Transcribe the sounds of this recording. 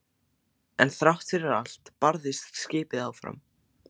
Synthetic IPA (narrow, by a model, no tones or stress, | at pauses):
ɛnθɾawht̪fɪɾɪɾal̥t̪paɾðɪst̪scɪːpɪðawfɾa̰m